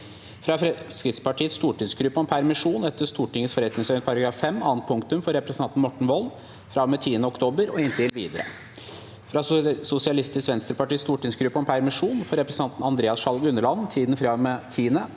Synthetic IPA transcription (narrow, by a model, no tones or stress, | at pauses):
fɾɑskɾɪt̪spɑʈʰiːət̪st̪uːʈɪd̪sɡɾʉpːəɔmpʰæɾmɪʂuːnɛt̪ːəʂt̪uːʈɪŋːət̪sfɔɾɛt̪nɪŋsœʏnət̪pʰɑɾɑɡɾɑːfːɛmːɑːnt̪̚pʰʊŋkt̪ʉmfɔɾɛpɾɛsnʰɑnt̪n̩mɔʈːɳ̩ʋɔl | fɾɑʋmɛt̪ʰiːənəɔkt̪ʰoːbəɾɔɪnt̪ɪlʋḭːd̪əɾə̰ | fɾɑsʊsɪɑlɪst̪ʰɪsʋɛnst̪ɾəpɑʈiːt̪st̪uːʈɪnsɡɾʉpːəɔmpʰæɾmɪʂuːnfɔɾɛpɾɛsənɑnt̪n̩ɑnd̪ɾeːɑsʂɑlɡʉnːəɭɑnt̪ʰiːd̪nfɾɑʋmet̪ʰiːənə